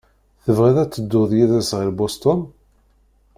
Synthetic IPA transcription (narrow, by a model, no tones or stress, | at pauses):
θəvʁiðæt͡sːəd̪ːʊðjiðæsʁilbost̪ɔn